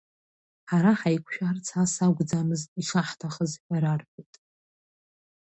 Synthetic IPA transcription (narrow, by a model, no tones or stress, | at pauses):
ħaɾaħajkʷʰʃᶣart͡sʰasaɡʷd͡zamɨztiʂaħtʰaχəzħᶣaɾarpitʼ